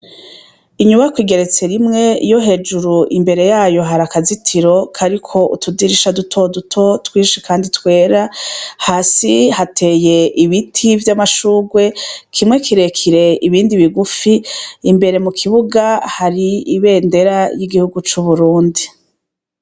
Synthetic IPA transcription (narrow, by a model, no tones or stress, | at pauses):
iɲuβakwiːɡe̞ɾe̞t͡se̞ɾimŋe̞̰jo̞ɦe̞ːd͡ʒuɾuʔimbe̞ɾe̞jaːjo̞ɦaɾakazitʰiɾo̞kʰaɾikʰo̞ʔutʰudiɾiʃadutʰo̞dutʰo̞twiːʃikaːnditkwe̞ːɾahasihatʰe̞je̞ʔiβitʰivjamaʃuːɡwe̞kʰimŋe̞kʰiɾekʰiɾe̞iβiːndiβiɡufiːmbe̞ɾe̞mukʰiβuɡahaɾiiβe̞ːnde̞ɾajiɡihuɡut͡ʃuβuɾuːndi